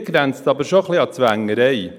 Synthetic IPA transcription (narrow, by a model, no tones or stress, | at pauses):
ɡɾɛnt͡stɑbəɾʃoχlɪɑt͡svæŋəɾej